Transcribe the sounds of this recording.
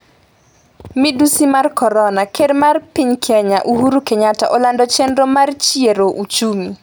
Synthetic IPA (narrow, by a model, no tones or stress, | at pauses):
midusimarkɔɾɔnakedmarpiɲkʰɛɲaʔuhuɾukeɲata̰ʔɔlandɔt͡ʃɛndɾɔmart͡ʃieɾoʔut͡ʃumi